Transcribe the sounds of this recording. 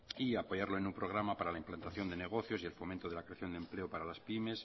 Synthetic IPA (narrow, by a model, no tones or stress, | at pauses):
iapo̞jaɾlo̞e̞numpɾo̞ɣ̞ɾamapaɾalaimplant̪aθjo̞nd̪e̞ne̞ɣ̞o̞θjo̞sie̞lfo̞ment̪oð̞e̞lakɾe̞aθjo̞nd̪e̞mple̞opaɾalaspime̞s